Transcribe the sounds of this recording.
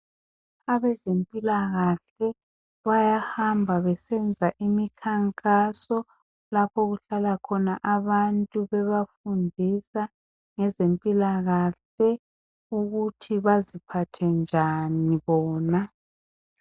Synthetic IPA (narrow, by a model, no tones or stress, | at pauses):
aβɛzempʼilaɣaɬɛ | βajahambʱaβɛsɛnd͡zʱaʔimikʰaŋkʼasɔ | lapʰoɣuɬalakʰɔnaʔaβantʼuβɛβafundʱisa | ŋɛzempʼilaɣaɬɛ | uɣutʰiβazipʰatʰɛnd͡ʒʱaniβɔːna